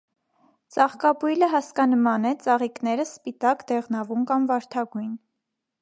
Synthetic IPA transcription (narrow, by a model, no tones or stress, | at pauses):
t͡sɑχkɑbujləɦɑskɑnəmɑnɛt͡sɑʁiknɛɾəspit̪ɑkd̪ɛʁnɑvumkɑmvɑɾt̪ʰɑɡujn